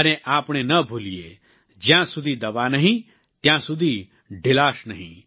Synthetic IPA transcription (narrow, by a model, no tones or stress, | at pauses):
əneʔaːpɳ̃enəbʱulie | d͡ʒjãsud̪ʱid̪ɐʋanəɦĩ | t̪jãsʊd̪ʱi | ɖʱɪlaːʃnəɦḭ̃